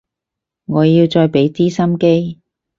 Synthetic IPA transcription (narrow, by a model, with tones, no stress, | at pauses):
ŋɔː˨˧ji˧wt͡ʃɔː˧jpe˨˥jt͡siː˥sɐ˥mke˥j